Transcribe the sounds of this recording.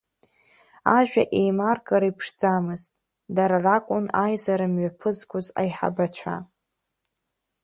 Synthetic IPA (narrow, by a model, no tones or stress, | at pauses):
aʒᶣa̰ʔejmarkʼaɾaipʰʂd͡zamɨztʼ | daɾarakʷʼʊnajzaɾɨmɥapʰɨzɡʷʊza̰jħa̰bat͡ʃʷʰa̰